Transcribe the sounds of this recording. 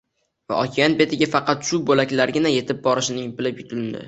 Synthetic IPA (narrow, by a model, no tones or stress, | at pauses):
va̰ɒkʲʰijanbe̞t̪ʰɪɡʲafɑqʰɑt̪ʃubolakʲlaɾɡʲɪnaje̞t̪ʰɪp̚bɒɾɪʃɪnɪŋbɪlɪpjʊt̪ʰʊld̪ɪ̰